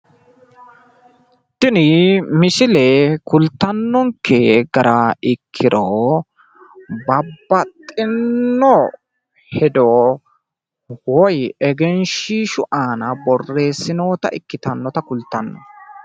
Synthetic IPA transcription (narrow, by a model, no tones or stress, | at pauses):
t̪ɪnɪmɪsɪlɛkʊlt̪ːɐnːɔŋkʰːeɡɐɾɐɪkʰːɪɾo | bɐbːɐt̪ʼːɪnːɔ | hɛd̪o | wɔjɛɡɛnʃiːʃʊʔaːnɐbɔrːe̞ːsːɪno̞ːt̪ɐ̰ʔɪkːɪt̪ɐnːɔt̪ɐkʊlt̪ːɐnːɔ̰